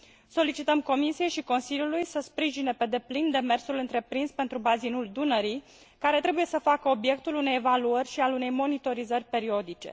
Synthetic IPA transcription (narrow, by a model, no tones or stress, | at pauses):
so̞lit͡ʃit̪əmko̞misije̞jʃiko̞nsiljulujsəspɾiʒine̞pe̞d̪e̞plind̪e̞me̞rsulɨnt̪ɾe̞pɾinspe̞nt̪ɾubazinuld̪unəɾi | kaɾe̞t̪ɾe̞buje̞səfakəo̞bje̞k̚t̪ulune̞jevaluərʲʃialune̞jmo̞nit̪o̞ɾizərʲpe̞ɾio̞d̪it͡ʃe̞̰